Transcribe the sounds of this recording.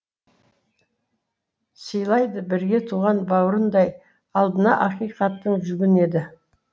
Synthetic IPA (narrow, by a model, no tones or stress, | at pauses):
səjlˠɑjd̪əbɪɾɡʲe̞t̪ʰuʁɑnbɑwɾənd̪ɑj | ɑlˠd̪ənɑʔɑqijqɑt̪ːəɴʒʏɡʲɪne̞d̪ɪ